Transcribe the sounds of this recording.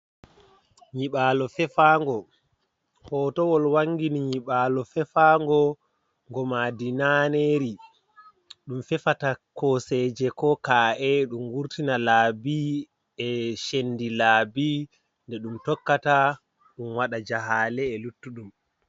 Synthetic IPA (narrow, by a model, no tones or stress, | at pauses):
ɲiɓaːlɔfɛfaŋɡɔ | hɔːtɔwɔlwaŋɡiniɲiɓalɔfɛfaŋɡɔ | ŋɡɔmadinaneɾi | ɗumfɛfatakɔsɛːd͡ʒɛkɔkaːʔɛɗumɡuɾtinalaːbi | ɛʃendilaːbi | ndɛɗumtɔkːata | ɗumwaɗad͡ʒaɦaːlɛːlutːuɗum